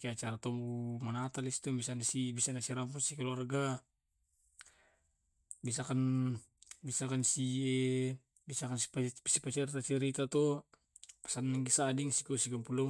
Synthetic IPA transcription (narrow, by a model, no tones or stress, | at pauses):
kiat͡ʃaɾat̪ɔmbumanat̪alist̪ubisanasibisanasiɾampusikaluarɡa | bisakan | bisakansie | bisakanpsipat͡ʃɛɾit̪at͡ʃɛɾit̪at̪ɔ | ḁsannaŋɡisadiŋsikɔsikampulɔ